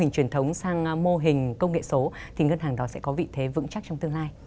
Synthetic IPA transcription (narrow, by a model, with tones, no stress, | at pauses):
ï˨˩ŋ̟t͡ɕwi˨˩ənt̪ʰə˨˦wŋ͡msaː˧ŋmo˧ɦï˨˩ŋ̟kə˧wŋ͡mŋḛ˧˨so˨˦ | t̪ʰi˨˩ŋə˧nhaː˨˩ŋɗɔ˨˦sɛ̰˧˥kɔ˨˦vḭ˧˨t̪ʰe˨˦vɨ̰˧˥ŋt͡ɕa˦˥t͡ɕɔ˧wŋ͡mt̪ɨ˧əŋlaː˧j